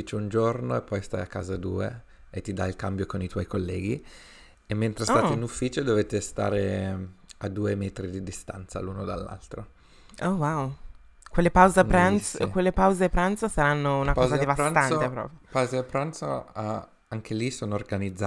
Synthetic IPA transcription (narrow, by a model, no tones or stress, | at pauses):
it͡ʃound͡ʒornoepːɔjst̪a̰jakːa̰ːzad̪ṵːḛ | et̪ːid̪ailkambjokonit̪wɔjkolːɛːɡi | emːent̪ɾestaat̪einufːiːt͡ʃod̪ovet̪ːest̪a̰ːɾe | ad̪ːuːemɛːt̪ɾid̪id̪ist̪a̰nt̪sa̰luːnod̪a̰lːa̰lt̪ɾo | owaw | kwelːepawzeɾanskwelːepawzepɾant̪sosaɾanːounakɔːzad̪evast̪ant̪epɾɔ̰ːpɾjopawzepɾant̪so̰a | aŋkelisoːnoorɡanid̪zːa